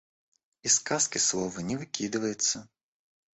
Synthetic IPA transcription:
iskɑskɪslˠɔʋɐnʲiʋɪkʲid̪ʊʋɐjɪt͡sʲːɐ

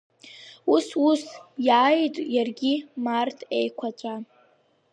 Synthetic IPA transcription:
ususjaːjtʼjarɡʲimartʰejkʷʰat͡ʃʷʼa

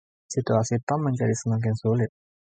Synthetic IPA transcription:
sit̪uasit̪ɔmːəɲt͡ʃaɾisəmaŋkɪnsulɪt̪̚

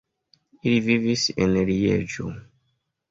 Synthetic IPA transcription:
ilivivisḛnɾiḛd͡ʒo̰

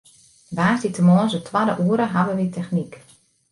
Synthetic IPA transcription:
ʋaːsditəmɔːənzətʰwadəʔuəɾəɦabəʋitʰɛxnik

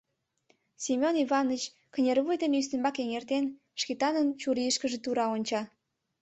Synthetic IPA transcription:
simʲoniβɑnət͡ɕ | kənʲerβujd̪emyst̪əmbɑkeŋert̪en | ʃket̪ɑnənt͡ɕuɾiəʃkə̆ʒĕt̪uɾɑonʲt͡ɕɑ

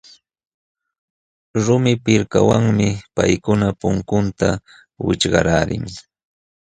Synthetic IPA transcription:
ɾʊmɪpɪɾkawaŋmɪpajkʊnapʊŋkʊnt̪a | wɪt͡ʃɢɑɾaːɾɪ̰ŋ

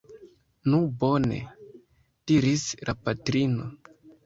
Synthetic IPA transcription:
nubone̞̰ | d̥iɾislʔapatɾino̞

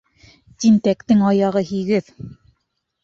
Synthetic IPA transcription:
t̪int̪ækt̪ɘŋɑjɑʁɤɦiɡɘð

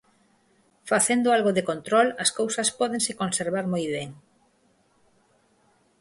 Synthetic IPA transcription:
faθend̪ʊalɣoðekont̪ɾɔlɐskowsɐspɔðeŋsɪkonseɾβaɾmojβɛŋ

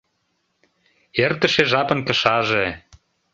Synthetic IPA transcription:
ert̪ə̆ʃeʒɑpə̆nkə̆ʃɑʒe

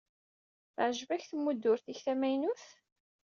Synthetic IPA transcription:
əʕʒəvæçθəmːud̪ːʊɾθiçθæmæjnuθ

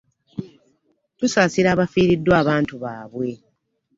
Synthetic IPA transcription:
tusaːsiɾaːβafiːɾidːwaːβaːntuβaːβwe̞

